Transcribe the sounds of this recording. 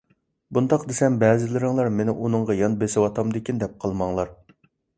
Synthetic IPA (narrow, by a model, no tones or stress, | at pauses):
bund̪ɑqd̪esɛmbɛːzɪlɪɾɪŋlˠɑɾmenɪʔunɨɴʁɑjɑnbesɪwɑt̪ʰɑmd̪ɪkʲind̪ɛp̚qʰɑlˠmɑŋlˠɑɾ